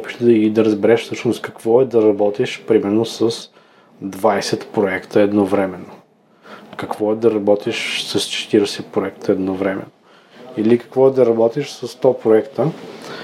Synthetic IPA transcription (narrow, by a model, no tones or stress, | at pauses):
pi̥ʃt̪ɛd̪ɐɡid̪ɐɾəzbɛɾɛʃfsɤʃnost̪kɐkv̥ɔɛd̪ɐɾɐbɔt̪iʃpɾimɛɾnosəs | d̪vajsɛt̪pɾoɛkt̪əɛd̪novɾɛmɛno | kɐkv̥ɔɛd̪ɐɾɐbɔt̪iʃsɐst͡ʃɛ̥t̪iɾɛsɛpɾoɛkt̪ʰəɛd̪novɾɛmɛ̰no | ilikɐ̥kvɔɛd̪ɐɾɐbɔt̪iʃsɐst̪ɔpɾoɛkt̪ə